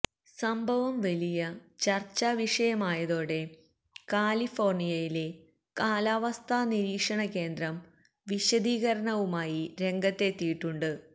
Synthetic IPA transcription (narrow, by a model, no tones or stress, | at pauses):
sɐmbʱɐʋɐmʋɐlijɐt͡ɕɐrt͡ɕːaːʋiʂɐjɐmaːjɐðo̞ːɽe̞ | kaːlifo̞ːrɳijɐjile | kaːlaːʋɐst̪ʰaːniɾiːkʂɐɳɐke̞ːnd̪ɾɐm | ʋiɕɐðiːɣɐɾɐɳɐʋumaːjiɾe̞ŋɡɐt̪ːe̞t̪ːijiʈːuɳɖɨ